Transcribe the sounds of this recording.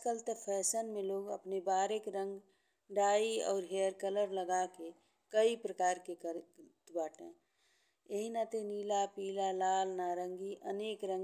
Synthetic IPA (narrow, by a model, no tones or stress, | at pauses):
kəlt̪əpʰɛːsənmẽloːɡə̰pnebaːɾekɾə̃ŋɡ | ɖaːiɔːɾɦeːɾkələɾləɡake | kəipɾəkaːɾkekəɾt̪baːʈḛ̃ | eɦinat̪eniːlapiːlalaːlnaɾə̃ŋɡiʔəneːkɾə̃ŋ